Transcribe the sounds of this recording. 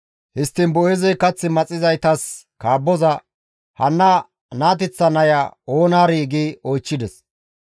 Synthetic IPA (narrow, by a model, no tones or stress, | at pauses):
hɪst̪ːɪnbɔjɪzɛjkɐt͡sːɪmɐt͡sʼːɪzɐjt̪ɐs | kaːbːɔzɐ | hɐnːɐ | naːt̪̬ɛt͡sːɐnɐjɐoːnaːɾiːɡiɔjt͡ʃːɪd̪ɛs